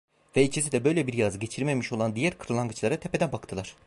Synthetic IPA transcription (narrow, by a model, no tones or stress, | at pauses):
vɛit͡ʃʰis̬id̪ɛbø̞jlʲɛbiɾjazɯɟe̞t͡ʃʰiɾmemiʃo̞lˠand̪ijæɾkʰɯɾɯlˠaŋɡɯt͡ʃlˠaɾat̪ʰepʰed̪ænbakt̪ʰɯlˠaɾ̥